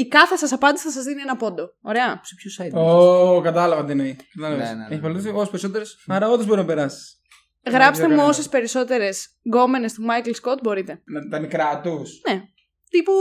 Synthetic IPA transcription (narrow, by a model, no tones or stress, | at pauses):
ikɐθesɐsɐpɐnd̪isiθɐsɐzðinienɐpo̞d̪o̞oɾe̞ɐspçosɐokɐt̪ɐlɐvɐt̪ineikɐt̪ɐlɐveseçipɐlt̪isiosespeɾiso̞t̪̬eɾesɐɾɐot̪ezbo̞ɾiznɐpeɾɐsi̥s | ɣɾɐpst̪emuo̞se̞spe̞ɾiso̞t̪e̞ɾe̞s | ɡo̞mene̞st̪umɐjklskot̪̚bo̞ɾit̪e̞nɐt̪it̪ɐnikɾɐt̪usne̞ | t̪ipu